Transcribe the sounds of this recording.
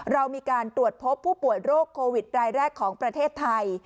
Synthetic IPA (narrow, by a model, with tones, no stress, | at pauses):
ɾa˧wmiː˧kaː˧nt̪ɾu˨˩ət̪̚pʰo˦˥pʰːuː˥˩pu˨˩əjɾoː˥˩kʰːoː˧wi˨˩t̪̚ɾaː˧jɾɛː˥˩kʰːɔː˩˦ŋpɾa˧t̪ʰeː˥˩t̪ʰːa˧j